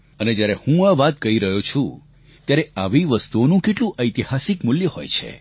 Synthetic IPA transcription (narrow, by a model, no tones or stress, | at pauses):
əned͡ʒjaɾehũaʋat̪̚kəɦiɾəɦjot͡ʃʰũ | t̪jaɾeaʋiʋəst̪uonũkeʈlũʔəjt̪ihasɪkmʊljəho̰jt͡ʃʰḛ